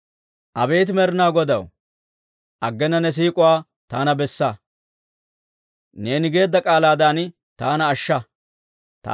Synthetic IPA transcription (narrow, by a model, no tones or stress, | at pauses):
ʔɐbeːt̪̬ɪmɛɾɪnaːɡɔd̪ɐw | ʔɐɡːɛnɐnɛs̬iːkʼʊwaː | t̪aːnɐbɛsːɐ | ne̞ːnɪɡe̞ːd̪ːɐkʼaːlaːd̪aːn | t̪aːnɐːʃːɐ | t̪